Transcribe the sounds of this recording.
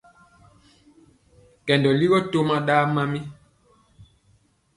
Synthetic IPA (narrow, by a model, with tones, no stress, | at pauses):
kɛ˨ndɔ˨li˦ɣɔ˦to˦ma˨ɗaː˦ma˦mi˦